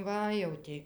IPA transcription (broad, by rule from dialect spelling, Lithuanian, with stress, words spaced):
ˈʋɐ jɛʊ tʲɪ